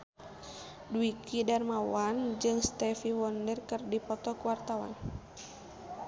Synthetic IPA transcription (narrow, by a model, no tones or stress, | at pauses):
duikʰidarmawand͡ʒɨŋst̪ɛfiwɔndərkɨrdipɔt̪ɔkuwart̪awa̰n